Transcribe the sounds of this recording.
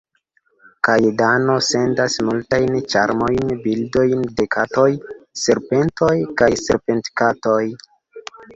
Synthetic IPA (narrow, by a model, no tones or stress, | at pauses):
kajedano̞se̞ndasmultajnt͡ʃaɾmo̞jnbildo̞jnde̞kʰato̞jse̞ɾpe̞nto̞jkajse̞̰ɾpe̞ntkato̞j